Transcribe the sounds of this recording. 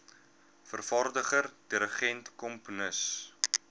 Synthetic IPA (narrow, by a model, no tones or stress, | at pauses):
fərfɐrdəχərdiɾəχɛntkɔmpunəs